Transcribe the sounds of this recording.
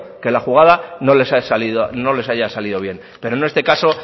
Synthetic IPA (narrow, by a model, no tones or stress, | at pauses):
ke̞laxuɣaðano̞lesasaliðono̞le̞sajasaliðo̞β̞je̞n | pe̞ɾone̞st̪e̞kaso̞